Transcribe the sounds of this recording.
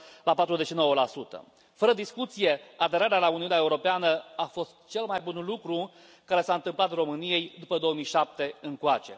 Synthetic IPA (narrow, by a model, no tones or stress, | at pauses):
lapat̪ɾuze̞ʃino̞wəlasut̪ə̰ | fəɾəd̪iskut̪sije̞ad̪e̞ɾaɾealauniunaeuɾo̞peanəafo̞st̪t͡ʃe̞lmajbunlukɾu | kaɾe̞saɨnt̪ɨmplat̪ro̞mɨnije̞jd̪upəd̪o̞omijʃap̚t̪e̞ɨŋkoat͡ʃe̞̰